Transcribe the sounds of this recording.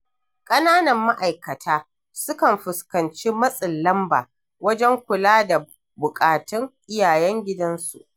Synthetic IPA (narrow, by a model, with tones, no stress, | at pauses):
kʼɐ˦naː˦nɐ˨mːa˦ʔa˨jkɐ˨tʰaː˦ | sʊ˦kɐ˨mɸʊ˨skɐ˨nt͡ʃiː˦mɐ˦sʼɪ˨nlɐ˦mba̰ː˨ | wɐ˦d͡ʒɛ˦ŋkʷʊ˨laː˦da˨ | bʊ˨kʼaː˨tɪ˦ŋʔɪ˦jaː˨jɛ˦ŋɡʲɪ˦dɐ˦nsṵ˨ʔ